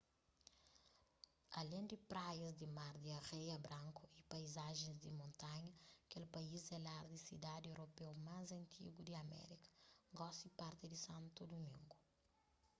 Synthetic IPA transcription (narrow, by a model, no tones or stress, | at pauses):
ɐlẽnd̪ipɾajɐzd̪imaɾd̪iɐʁejɐbɾãŋkuipajzaʒẽzd̪imõnt̪aɲɐkelpɐizɛlaɾd̪isḭd̪ad̪ewɾopewmazɐ̃nt̪ʰḭɡud̪iɐmɛ̰ɾikɐ̥ɡɔsipaɾt̪ɪd̪isãnt̪ud̪umĩŋɡu